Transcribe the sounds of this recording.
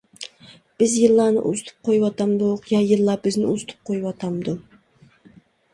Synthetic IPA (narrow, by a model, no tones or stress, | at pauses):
b̥ɪzjɨlˠːɑnɨ̰ʔṵzɨ̥t̪ʰɨ̥p̚qʰojuwɑt̪ɑmd̪uqjɑjɨlˠːɑbɪznɪuzɨ̥t̪ʰɨ̥p̚qʰojuwɑt̪ʰɑmd̪u